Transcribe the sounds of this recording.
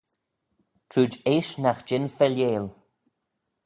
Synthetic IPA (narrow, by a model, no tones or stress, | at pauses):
tʰɾuːd͡ʒeːʃnaxd͡ʒɪnfɛljeːl